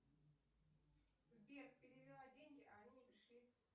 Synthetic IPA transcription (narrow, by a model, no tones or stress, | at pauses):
zbʲerkpʲɪɾʲɪvʲɾʲɪlˠadʲeŋʲɡʲɪʔɐɐnʲinʲɪpɾʲɪʂlʲi